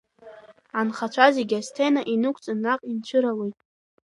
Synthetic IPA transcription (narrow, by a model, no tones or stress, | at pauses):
anχat͡ʃʷʰazeɡʲastʰenaʔinɨkʷʰʼt͡sʼɨnːaqʼint͡ɕʷʰɨɾalejtʼ